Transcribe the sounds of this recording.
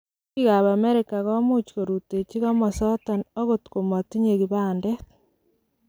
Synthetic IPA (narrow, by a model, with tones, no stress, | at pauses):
ki˦ɣa˨βa˨me˦ɾeka˨ɣɔ˦mu˦t͡ʃko˨ɾu˨te˨t͡ʃi˦ɣa˦mɔ˨sɔ˦tɔ˨no˦ɣotko˨mo˨ti˦ɲe˨ɣi˨βaː˦nde˦